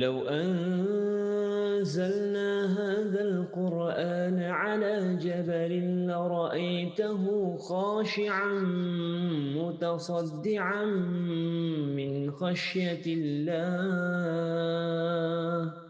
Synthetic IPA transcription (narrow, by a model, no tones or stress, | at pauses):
lawʔan | zalnaːɦaːðalqʊɾʔaːnʕalaːd͡ʒabalɪnlaɾˤɑʔajt̪ʊɦʊxɑːʃɪʕan | mʊt̪ɑsˤɑd̪ːɪʕan | mɪnxaʃjaɪlːaː | h